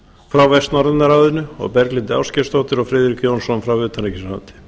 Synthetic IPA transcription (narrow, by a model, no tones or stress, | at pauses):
fɾawvɛst̪nɔɾðɪnːaɾaːðʏnʏɔ̰ɣpɛɾklɪnt̪ɪa̰wscɛst̪owt̪ɪɾɔɣfɾɪːðɾikjownsɔnfɾawvʏːt̪ʰaɾɛcɪsant̪ɪ̥